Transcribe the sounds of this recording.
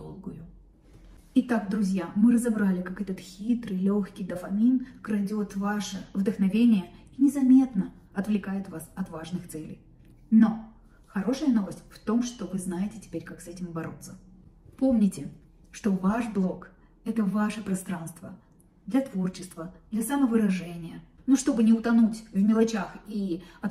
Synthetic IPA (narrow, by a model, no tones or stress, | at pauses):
olˠɡʊjʊ | ɪt̪ak̚d̪ɾʊzʲjamɨɾəzɐbɾalʲɪkakɛt̪ət̪xʲit̪ɾɨlʲoxkʲɪjd̪əfɐmʲinkɾɐdʲo̞t̪vaʂɨvd̪əxnɐvʲenʲɪjəinʲɪzɐmʲe̞t̪nə | ɐt̪vlʲɪkajɪt̪vasɐt̪vaʐnɨxt̪sɛlʲɪ̰j | no̞ | xɐɾo̞ʂɨjəno̞vəsʲt̚ʲft̪o̞mʂt̪o̞vɨznajɪtʲɪtʲɪ̥pʲeɾʲkaksɛtʲɪmbɐɾo̞̰t̪sːəpo̞mnʲɪtʲɪ | ʂt̪o̞vaʂblˠo̞k | ɛt̪əvaʂɨpɾɐst̪ɾanst̪və | d̪lʲɐt̪vo̞rt͡ɕɪst̪vəd̪lʲɐsaməvɨɾɐʐɛnʲɪjənuʂt̪o̞bɨnʲɪʊt̪ɐnutʲvmʲɪlˠɐt͡ɕaxiɐt̪